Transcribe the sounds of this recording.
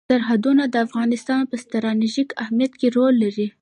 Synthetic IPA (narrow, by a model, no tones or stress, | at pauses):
aɾɦad̪unad̪əafɣɑnɪst̪ɑnpəst̪aɾɑneʒikahmijat̪keɾolːaɾi